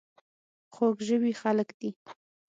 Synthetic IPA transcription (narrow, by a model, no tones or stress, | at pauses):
xoɡʒəwixaləkd̪̥i